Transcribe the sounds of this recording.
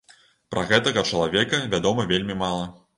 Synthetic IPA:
pɾʔɐ̰ɣɛt̪ɐɣɐt͡ʂɐlˠavʲɛkɐvʲad̪ɔmɐvʲelʲmʲimalˠɐ

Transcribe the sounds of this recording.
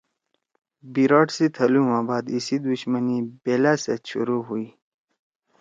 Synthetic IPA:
biɾaːʈsit̪ʰɐlumaːbaːd̪isid̪uɕmənibeːlaseɕṵɾuɦuiː

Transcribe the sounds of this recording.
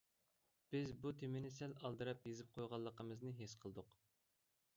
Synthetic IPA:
b̥ɪzbut̪ʰemɪnɪsɛlɑlˠd̪ɨɾɑpjezɪp̚qʰojʁɑlˠːəqəmɨznɨɦesqʰəlˠɨd̪ʊq

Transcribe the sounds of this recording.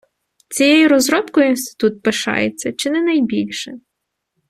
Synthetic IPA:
t͡sʲijɛjiɾɔzɾɔpkɔjinst̪ɪ̥t̪ut̪̚peʃɑ̰jet͡sʲːɐt͡ʃɪnɛnɐjbʲilʲʃɛ

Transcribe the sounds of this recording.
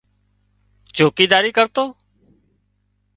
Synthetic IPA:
t͡ʃoːkiːd̪aːɾiːkəɾt̪oː

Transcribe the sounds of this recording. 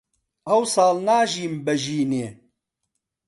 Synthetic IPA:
ɐwsaːlnaːʒiːmbɐʒiːneː

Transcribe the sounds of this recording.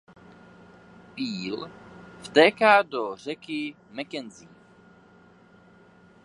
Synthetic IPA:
piːlft̪ɛːkaːdor̝ɛkɪ | mɛkɛnziː

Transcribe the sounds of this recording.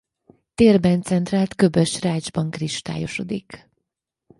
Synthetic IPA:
t̪eːrbɛnt̪sɛnt̪raːlt̪kø̞bøʃraːd͡ʒbɒŋkriʃt̪a̰ːjo̞ʃo̞̰d̪ik

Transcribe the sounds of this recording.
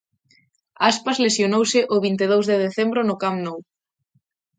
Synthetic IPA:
aspɐzlesjonowsɪʔoβint̪eðowzðeðeθɛmbɾʊnʊkamnɔw

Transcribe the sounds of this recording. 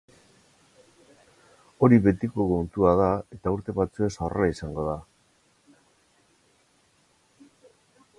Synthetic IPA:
o̞ɾiβe̞t̪iko̞kont̪uað̞ae̞t̪auɾt̪e̞βat͡sue̞saraisaŋɡo̞ð̞a

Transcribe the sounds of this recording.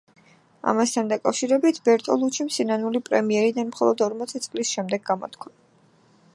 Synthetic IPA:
a̰mast̪ʰand̪akʼafʃiɾɛbit̪ʰbɛɾt̪ʼɔlˠut͡ʃʰimsinanulipʼɾɛmiɛɾid̪anmχɔlˠɔd̪ɔɾmɔt̪sʰit̪sʼlisʃɛmd̪ɛɡːamɔ̰t̪ʰkʰɾa

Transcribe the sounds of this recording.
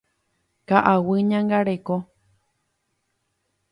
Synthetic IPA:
kaʔawɨɲãŋɡaɾeko

